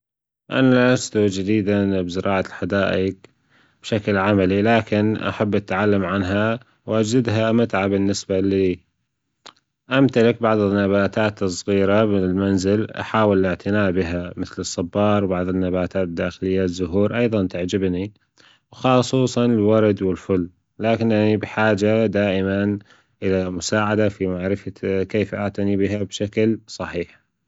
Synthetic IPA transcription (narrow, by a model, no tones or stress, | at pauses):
ʔa̰nalast̪ud͡ʒɪd̪iːd̪anbzɪɾʔɑːʕalħad̪aːʔɪk | b̥ʃaklʕamalilaːkɪnʔa̰ħabːʔat̪ʕalːamʕanɦa | wʔad͡ʒdɪd̪ɦamat̪ʕabɪnːɪsbaliː | ʔamt̪alɪk̚baʕd̪ˤɪnːaβaːt̪aːt̪sˤːɣiːɾamɪnɪlmanzɪlʔa̰ħaːwɪlʔɪʕt̪ʰɪnaːʔbɪɦamɪθlɨsˤːɑbːɑːɾˤwbaʕd̪ˤɪnːabaːt̪aːt̪d̪ːaːxɪlɪjːazːʊɦuːɾʔɑjðˤɑnt̪aʕd͡ʒɪbni | wxɑːsˤuːsˤɑnɪlwɑɾˤd̪wɪlfʊlː | laːkɪnʔanibɪħaːd͡ʒad̪aːʔɪman | ʔɪlamʊsaːʕad̪afimaʕɾɪfakeːfʔaʕt̪anibɪɦabʃaklsˤɑħiːħ